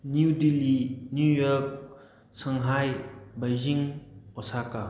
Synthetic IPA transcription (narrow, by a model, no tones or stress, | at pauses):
nudilinujɔk̚ | saŋɦajbajziŋɔsaka